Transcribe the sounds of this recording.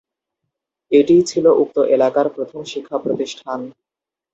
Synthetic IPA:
eʈit͡ɕʰiloʔuk̚t̪oʔelakaɾpɾot̪ʰomʃikʰːapɾot̪iʃʈʰan

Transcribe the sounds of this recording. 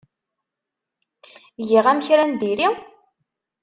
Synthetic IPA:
jiʁæmçɾænd̪iɾi

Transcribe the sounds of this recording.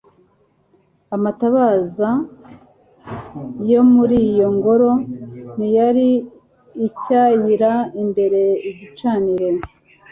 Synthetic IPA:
amataβaːza | jo̞muɾijo̞ŋɡo̞ɾo̞nijaɾiː | cajiɾaimbe̞ɾe̞iɟit͡ʃaːniɾe

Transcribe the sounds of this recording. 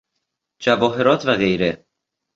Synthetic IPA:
d͡ʒævɒːɦe̞ɾɒːt̪ʰvæɣe̞jɾe

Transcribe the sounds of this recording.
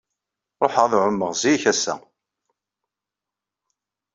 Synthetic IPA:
ɾˤoħəʁðʕʊmːəʁziçæsːæ̰

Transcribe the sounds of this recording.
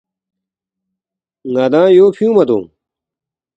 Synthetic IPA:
ŋad̪ãːjoːpʰijũːmɐd̪õ̰ː

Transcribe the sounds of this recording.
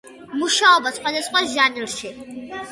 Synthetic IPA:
muʃaɔbasχwad̪asχwasʒaniɾʃi

